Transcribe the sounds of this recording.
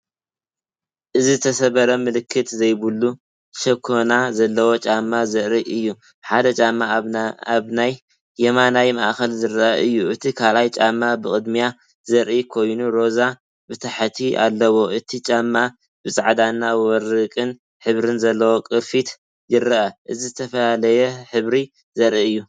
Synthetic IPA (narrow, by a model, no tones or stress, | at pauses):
ʔɨzizɨt̪ʰɐsɐβɐɾɐmɨlɨkʰːɨt̪zɐjbulːu | ʃɐkʰːonazɐlːɐwo̞t͡ʃʼamːazɐʔɾiʔɨjːu | ħad̪ɐt͡ʃʼamːaaβnajː | ɛmanajmaʔxɐlzɨɾɐʔaʔɨjːuʔɨt̪ʰikʰalajt͡ʃʼamːabɨkʼɨd̪mija | zɐɾʔikʰo̞jnuɾo̞za | bɨt̪ʰaħt̪ʰiʔa̰lːɐwo̞ʔɨt̪ʰit͡ʃʼamːa | bɨsʼaʕd̪anːawɔɾɨkʼɨn | ħɨβɾɨnzɐlːɐwo̞kʼɨɾfit̪ | jɪɾɐʔɐʔɨzizɨt̪ʰɐfɐlalɐjɛħɨβɾi | zɐɾiɨjːu